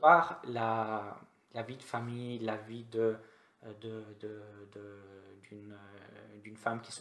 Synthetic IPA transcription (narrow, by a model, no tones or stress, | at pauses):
aʁla | lavid̪əfamijlavid̪ə | d̪əd̪əd̪əd̪yn | d̪ynfamkʲi̥s